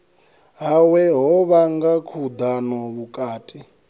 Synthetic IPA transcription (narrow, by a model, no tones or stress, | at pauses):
ɦawɛɦɔβaŋɡakʰud̪anɔβukʼaːtʼi